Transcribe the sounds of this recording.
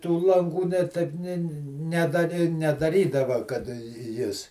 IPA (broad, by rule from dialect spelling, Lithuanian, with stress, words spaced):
tuː lˠɐŋˈɡuː nʲɛ ˈtɐɪp ˈnʲeː nʲɛ ˈnʲæːdɐrʲɪ nʲɛdɐˈrʲiːdɐʋɐ kɐt ˈjɪs